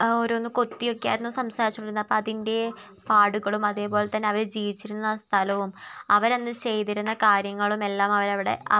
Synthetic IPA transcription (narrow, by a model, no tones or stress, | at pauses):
o̞ɾuonːɨko̞t̪ːijo̞kːejaːjiɾunːusɐmsaːɾit͡ɕːuɳiɾunːɐpːoːɐðinde̞ | paːɽuɣɐɭumɐðe̞ːpo̞ːlet̪ɐnːe̞ɐʋɐɾd͡ʑiːʋit͡ɕːiɾunːaːst̪ʰɐlɐʋumɐʋɐɾenːɨt͡ɕe̞jt̪iɾunːɐkaːɾjɐŋːɐɭume̞lːaːmɐʋɐɾɐʋiɽe̞̰ɐ